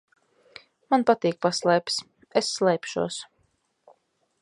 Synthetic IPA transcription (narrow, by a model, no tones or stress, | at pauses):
manpat̪iːk̚paslˠɛjp̪ʲs | esːlˠɛjpʃṵɔs